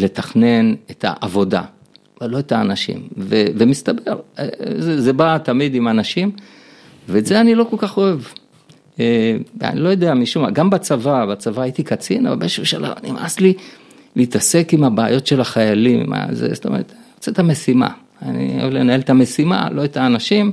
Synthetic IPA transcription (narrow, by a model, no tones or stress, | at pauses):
le̞t̪aχne̞netʰa̰ʔavo̞da̰ | alo̞et̪aːnaʃḭmvevemist̪abeʁezezebat̪amid̪imanaʃim | veːtzeanilo̞ko̞lkaχo̞ev | ea̰nilo̞jo̞d̪eamiʃumaɡambat͡savabat͡savaːit̪ikat͡sina̰va̰beʃumʃala̰vanimasli | liːtase̞kimabaːjo̞tʃe̞laχajalim̰ma̰zḛstome̞ʁet̪aniʁot͡set̪amesima̰ | anḭo̰evlenaelet̪ame̞sima̰lo̞etaːnaʃim